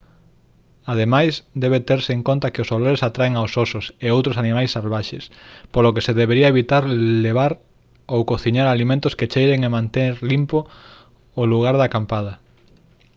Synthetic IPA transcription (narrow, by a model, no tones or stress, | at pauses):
aðemajsd̪ɛβet̪eɾseːŋkont̪akeosoloɾesat̪ɾaeŋaowsosʊseowt̪ɾosanimajsːalβaʃespolokeseðeβeɾiɐeβit̪aɾleβ̞aɾ | owkoθiɲaɾalimẽnt̪ʊsket͡ʃejɾeŋemãnt̪eɾlimpoː | luɣ̞aɾðɐkampað̞ɐ